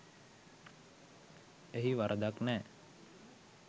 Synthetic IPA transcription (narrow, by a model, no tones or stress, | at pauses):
eɦiʋaɾʔəd̪aknɛː